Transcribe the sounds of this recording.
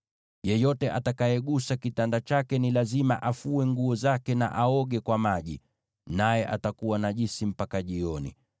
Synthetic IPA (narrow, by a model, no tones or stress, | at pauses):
jɛjɔtɛʔatakajɛɠusakitandat͡ʃakɛnilazimaʔafuɛŋɡuɔzakɛna̰ʔaɔɠɛkwamaʄi | najɛʔa̰takuwanaʄisim̩pakaʄiɔnḭ